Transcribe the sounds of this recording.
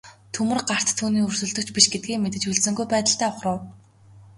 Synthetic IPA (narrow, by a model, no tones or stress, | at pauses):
t̪ʰɵmɵ̆rɢar̥t̪ʰːuːniːɵr̥sɵ̆ɮt̪ɵ̆kt͡ɕpiʃɡet̪̚ɡʲiːŋmet̪ɘ̆t͡ɕɵɮsɵ̆ŋɡujpæːt̪ə̆ɬt̪æːʊχrə̆w